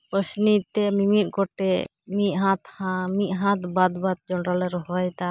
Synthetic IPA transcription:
pɾəsnit̪ɛmimit̪̚ˀkɔʈɛ | miʔɦat̪hamiʔɦãt̪bad̪bat̪̚d͡ʒɔɳɾalɛɾɔɦɔjt̪a

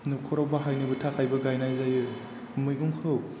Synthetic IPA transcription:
nukʰɔɾawbaɦajnɯbɯtʰakʰajbɐɡajnajzajɯ | mɯjɡumkʰɯw

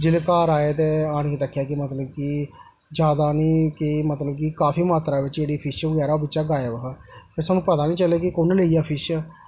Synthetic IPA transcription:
d͡ʒɪleːkaːɾaːeːt̪eːaːɽ̃id̪əkʰːjaːkɪmət̪ləb̚ki | d͡ʒjaːd̪aːnĩːkɪmət̪ləbkikaːfiːmaːt̪ɾaːʋɪt͡ʃd͡ʒeːɽiːpʰɪʃbəɡɛːɾaːobɪtːt͡ʃːʃaːɡaːjaːʋəkaːpʰɪɾsaːnũːpət̪aːnĩːt͡ʃəleːkɪkoːnːleːijaːpʰɪʃa

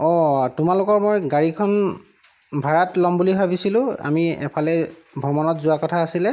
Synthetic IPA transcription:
ɔtʊmalʊkɔɹmojɡaɹikʰɔn | bʱaɹatlɔmbuliɦojbisilʊ̃a̰miɛ̰pʰalɛ | bʱɔmɔnɔtzʊwakɔtʰaːsilɛ

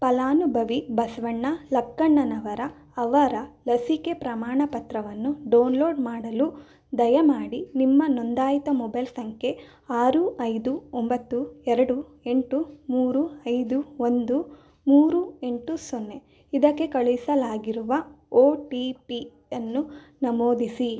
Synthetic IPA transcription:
pɐlaːnubʱɐʋibɐsʋɐɳːɐlɐkːɐɳːɐnɐʋɐɾɐː | ʋɐɾɐlɐsike̞pɾɐmaːɳɐpɐt̪ɾɐʋɐnːuɖɐwnlo̞ːɖmaːɽɐlu | d̪ɐjɐmaːɽinimːɐnond̪aːjt̪ɐmɔbɐjlsɐŋkʰe̞ | aːɾuʔɐjd̪uombɐt̪ːuɛɾɐɽue̞ɳʈumuːɾuɐjd̪uond̪u | muːɾue̞ɳʈusonːe | id̪ɐkːe̞kɐɭuisɐlaːɡiɾuʋɐ | oːʈipi | ɐnːu | nɐmoːd̪isi

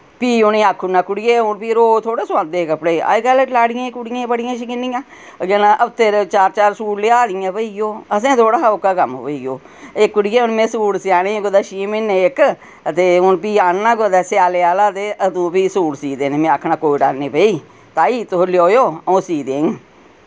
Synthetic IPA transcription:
piːʊneːaːkʰːʊnãːkʊɽɪjeːʊnpiːɾoːt̪ʰoːɽeːsʊãːnd̪eːkəpɽeːa̰ːkəllaːɽɪjãːkʊɽɪjãːbəɽɪjãːʃɪkɪnːɪjãː | ɡeːnaʔəbt̪eːɾt͡ʃaːɾt͡ʃaːɾsuːɽleːaːd̪ɪjãːpəijoːəs̬ẽːt̪ʰoːɽaːokːaːkəmɦo̰ːiːɡjoː | ekːʊɽɪjeːʊnmẽːsuːɽsɪaːnẽːɡoːd̪aːʃiːmɪneeːk | ət̪eːʊnpiːaːnːãːɡoːd̪aːsɪaːleːaːlaːt̪eːʔəd̪ũːpiːsuːɽsiːd̪eːneːmẽːakʰnaːkoːiʈaːlneːpəiː | t̪aːiːt̪oɦljoːjoːõsiːd̪eːŋ

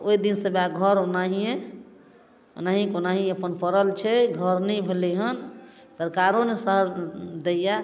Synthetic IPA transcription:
oid̪insəbaɡʱəɾonaɦijẽ | o̰naɦikonaɦiəpənpəɾəlt͡ʃʰɛɡʱəɾnəjbʱeleɦən | səɾkaɾõnesəɦəd͡ʒd̪eja

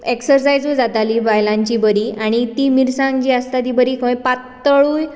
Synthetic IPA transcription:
eksəɾs̬ajd͡zud͡zat̪alibajlãɲt͡ɕibəɾiaɽ̃it̪imiɾsãŋɡd͡ʑiəst̪at̪ibəɾiːkʰə̃jpat̪ːəɭuj

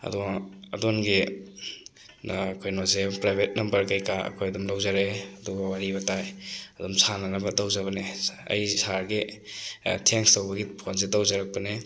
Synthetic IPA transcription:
ɐ̰dɔɐ̰donɡi | kʰojnozepɾajbʱet̚nɐmbɐɾkajkaɐ̰kʰojɐdumlawzaɾeɐduɡawaɾibatajɐdumsananabadawzaβaneɐ̰jsaɾɡi | tʰeŋstawbɐɡipʰonsedawzaɾak̚pane

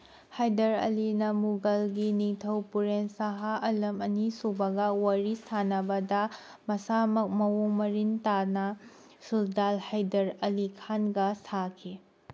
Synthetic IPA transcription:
hajdɐɾɐ̰linɐmuɡɐlɡiniŋtʰɐwpuɾensaɦaʔɐlɐmɐnisubɐɡɐwɐɾisanɐbɐdɐ | mɐsamɐk̚mɐwomɐɾintanɐ | suldalhajdɐɾɐlikʰanɡɐsakʰi

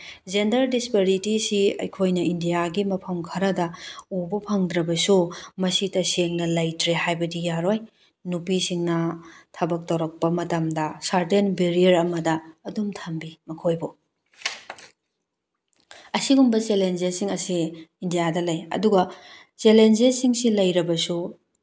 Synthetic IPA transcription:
zendɐɾdispeɾitisiɐ̰jkʰojnɐindijaɡimɐpʰɐmkʰɐɾɐdɐubɐpʰɐŋdɾɐbɐsumɐsitɐseŋnɐlɐjtɾehajbɐdijaɾoj | nupisiŋnɐtʰɐbɐk̚tɐwɾɐk̚pɐmɐtɐmdɐsaɾtenbeɾiɐɾɐmɐdɐːdumtʰɐmbimɐkʰojbo | ɐsiɡumbɐt͡ʃelend͡ʒesiŋɐsiːndijadɐlɐjɐ̰duɡɐ | t͡ʃelend͡ʒesiŋsilɐjɾɐbɐsu

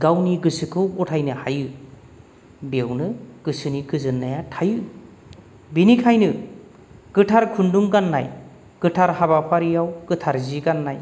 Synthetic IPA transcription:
ɡawniɡɯsɯkʰɯwɔtʰajnɯhajɯ | bewnɯɡ̥ɯsɯniɡɯzɯnːajatʰajɯ | binikʰajnɯ | ɡ̥ɯtʰaɾkʰunduŋɡanːa̰j | ɡ̥ɯtʰaɾhaβapʰaɾijawɡ̥ɯtʰaɾziɡanːaj

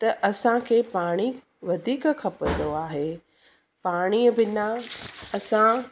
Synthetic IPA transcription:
t̪ɐʔɐsãkʰeːpaːɽ̃i | ʋɐd̪ʱiːkkʰɐpənd̪oaːɦe | paːɽ̃iəbɪnaɐsã

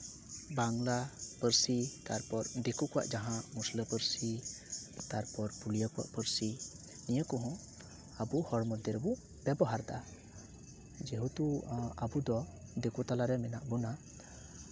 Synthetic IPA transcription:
baŋlapəɾsit̪aɾpɔɾd̪ekukɔwa̰ʔd͡ʒaɦãmusləpəɾsi | t̪aɾpɔɾpulijakɔwa̰ʔpəɾsi | nijakɔɦɔ̃ | abuhɔɽmɔd̪jɛɾɛbu | bɛbɔɦaɾd̪aa | d͡ʒɛɦut̪uabud̪ɔd̪ekut̪alaɾɛmɛnaʔbuna

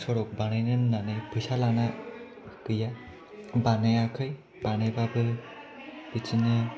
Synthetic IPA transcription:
sɔɽɔk̚banɯjnɯnːanɯjpʰɯjsalana | kɯja | banɯjakʰɯj | b̥anɯjbabɯ | b̥it͡ʃinɯ

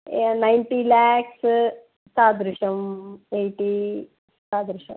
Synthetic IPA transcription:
najnʈilaːks | saːd̪ɾiʂɐmejʈi | saːd̪ɾiʂɐ̰m

